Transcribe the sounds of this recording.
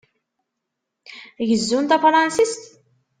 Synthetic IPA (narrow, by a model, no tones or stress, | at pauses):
jəzːunt̪æfɾˤɑnsist̪